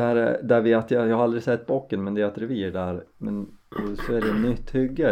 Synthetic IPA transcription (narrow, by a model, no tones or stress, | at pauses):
æɾd̪æɾvɪat̪jɑjɑːhaɾald̪ɾɪsɛt̪ːbɔkːənmɛnd̪ɛɛt̪ɾɛviːɖæɾmɛnsɔæɖɛnːʏt̪ːhʏɡːə